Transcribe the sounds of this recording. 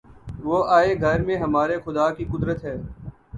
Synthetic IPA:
ʋoːaːeːɡʱəɾmẽːɦəmaːɾeːxʊd̪aːkiːkʊd̪ɾət̪ɦɛː

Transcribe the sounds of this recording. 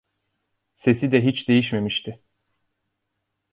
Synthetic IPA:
se̞sid̪ɛɦit͡ʃd̪e̞jiʃme̞miʃt̪ʰɪ

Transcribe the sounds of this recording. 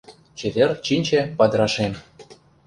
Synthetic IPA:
t͡ɕet̪ʲert͡ɕinʲt͡ɕĕpɑd̪ɾɑʃem

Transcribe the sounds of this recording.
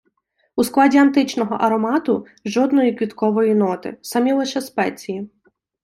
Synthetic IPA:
usklˠɑdʲiɐnt̪ɪt͡ʃnɔɦɔʔɐɾɔmɑt̪ʊ | ʒɔd̪nɔjikʋʲit̪kɔʋɔjinɔt̪ɪ̰sɐmʲilˠɪʃɛspɛt͡sʲiji

